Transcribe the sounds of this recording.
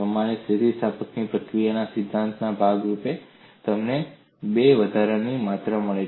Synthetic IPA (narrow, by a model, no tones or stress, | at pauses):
əmañesʰit̪ist̪ʰapəknipɾəkɾijanasɪd̪ʱːãnt̪nabʱaɡɾupet̪əmne | beʋəd̪ʱaɾanimat̪ɾəməɭe